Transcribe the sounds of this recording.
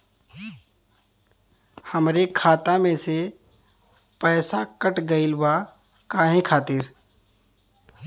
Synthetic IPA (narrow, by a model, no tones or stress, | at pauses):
həmɾekʰaːt̪amẽse | pɛːsakəʈɡɐɪlba | kaːɦẽkʰaːt̪ɪɾ